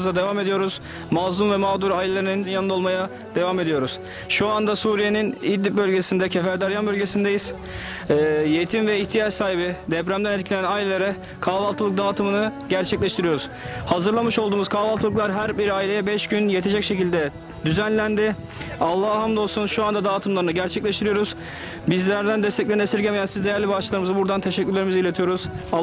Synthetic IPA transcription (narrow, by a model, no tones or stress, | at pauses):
zˠad̪e̞vaːme̞d̪ijo̞ɾuz̥ | mazumvɛmaːd̪uɾajlʲelʲˠeɾinininjanɯao̞lˠmaja | d̪e̞vaːme̞d̪ijo̞ɾuz̥ | ʃuand̪asuːɾije̞ninid̪ːʲip̚bø̞lʲɟe̞sind̪ɛcʰefæɾd̪aɾjanbølʲɟe̞sind̪ejiz̥ː | jet̪ʰimvɛiçt̪ʰijat͡ʃsaːɦibid̪ɛbɾæmd̪ænɛt̪̬̚cʰlʲenænajlʲelʲeɾa | kʰaːvalˠt̪ʰɯlˠɯk̚d̪aːt̪ʰɯmɯnɯɟæɾt͡ʃʰɛclʲɛʃt̪ʰiɾijo̞ɾuz̥ | hazɯɾlˠamɯʃo̞lˠd̪uːmuz̥kʰaːvalˠt̪ʰɯlˠɯklˠaɾɦæɾbiɾaːilʲejɛbɛʃɟynjet̪ʰe̞d͡ʒɛcʃe̞cilʲd̪ɛ | d̪yzænlʲænd̪ɪ | alˠːahhamd̪o̞lˠsunʃuand̪ad̪aːt̪ʰɯmlˠaɾnɯɟæɾt͡ʃʰɛclʲeʃt̪iɾijo̞ɾuz̥ | bizlʲæɾd̪ænd̪ɛst̪ʰɛclʲeesiɾɟʲemejænsizd̪ejæɾlʲibat͡ʃɯlˠaɾɯmɯzabuɾd̪ant̪ʰe̞ʃɛcːyɾlʲeɾimizilʲet̪ʰijo̞ɾuz̥a